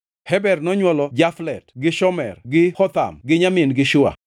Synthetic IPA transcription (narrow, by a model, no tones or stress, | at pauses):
hɛbɛrnɔɲwɔlɔd͡ʒaflɛtɡɪʃɔmɛrɡɪxɔt̪a̰mɡɪɲamɪnɡɪʃʊa̰